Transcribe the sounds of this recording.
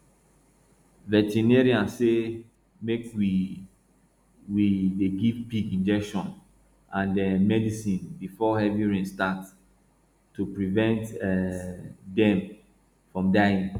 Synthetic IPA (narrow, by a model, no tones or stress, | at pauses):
vɛtinɛɹiãnse | mekwi | wideɡivpikĩnd͡ʒɛkʃɔ̃n | ãndɛmɛdisĩnbifɔhɛviɹĩnstat | tːupɹivɛ̃nt | dɛ̃m | fɹɔ̃mdajĩn